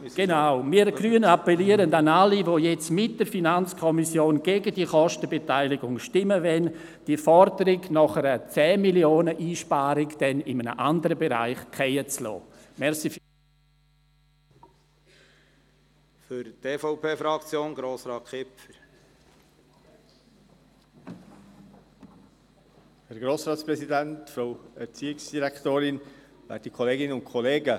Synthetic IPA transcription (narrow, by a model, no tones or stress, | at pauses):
ɡ̥enaʊmiːəɾɡ̥ɾyːənapɛliəɾəndanalivoːjɛt͡smɪt̚d̥əɾfinant͡skʰɔmisjoːnɡ̥eːɡədiəχɔʃtəbetaɪlɪɡʊŋʃtɪməvɛn | d̥iːfɔɾdəɾɪɡnɔχəɾət͡sɛːmiljoːnəʔiːʃpaːɾɪkd̥ɛnɪmənə̰ʔandəɾəbeɾa̰ɪχkʰɛjət͡slɔ̰ː | mɛɾsi | fʏɾt̪eːfoʊpʰeːfɾɑkt͡sjoːnɡɾoːsɾɑːt̚kʰɪpfəɾ | hɛɾɡɾoːsɾɑːtspɾɛsidæntfɾoʊɛɾt͡siːɪksd̥iɾɛkt̪oːɾɪnva̰t̚ikʰɔleːɡɪnʊntkʰɔleːɡə